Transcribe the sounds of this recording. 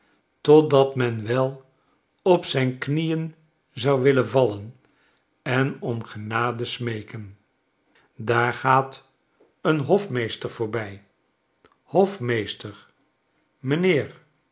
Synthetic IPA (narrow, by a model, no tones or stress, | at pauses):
tɔdɑtmɛnʋɛlˠ | ɔpsɛjnknijən | zɑwʋɪlənvɑlən | ɛnɔmχənaːdəsmejkən | daːɹχaːt | ənɦɔfmejstəɹv̥ʊːɹbɛj | hɔfmejstəɹ | mənɪːɹ